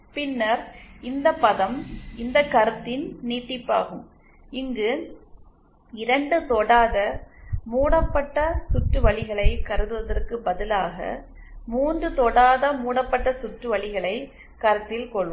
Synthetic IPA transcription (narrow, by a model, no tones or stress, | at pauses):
pɪnːɐɾɪnd̪ɐpːɐðɐmɪnd̪ɐkːɐɾɯt̪ːɪnniːʈːɪpːa̰ːɣɯm | ɪŋɡɯ | ɪɾɐɳɖɯt̪ɔɽaːðɐmuːɽɐpːɐʈːɐsʊʈrɯʋɐɭɪɣɐɭɐɪkɐɾɯðɯʋɐðɐrkɯbɐðɪlaːɣɐ̰ | muːndrɯt̪ɔɽaːðɐmuːɽɐpːɐʈːɐsʊʈrɯʋɐɭɪɣɐɭɐɪ | kɐɾɯt̪ːɪlkɔɭʋɯ